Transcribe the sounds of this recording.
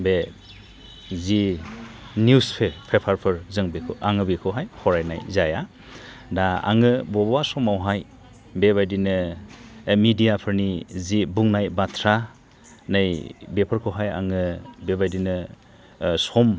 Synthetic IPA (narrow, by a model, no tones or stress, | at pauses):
be | zi | nuspʰepʰepʰaɾpʰɯɾzɯŋbekʰɯʔaŋɯbikʰɯɦajhɔɾajna̰jzaja | daa̰ŋɯbɔbasɔmawɦaj | beβajdinɯ | midijapʰɯɾnizibuŋnajbatʰɾa | nɯjbepʰɯɾkʰɯɦaja̰ŋɯbebajdinɯ | sɔm